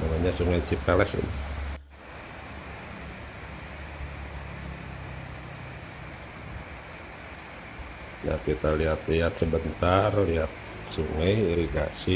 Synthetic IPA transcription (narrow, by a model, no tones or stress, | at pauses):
namaɲasuŋajt͡ʃip̚kalɛsɪ̰ni | da̰arkit̪aliɦat̪liɦat̪̚səbənt̪arliɦat̪̚ | suŋajiɾiɡa̰si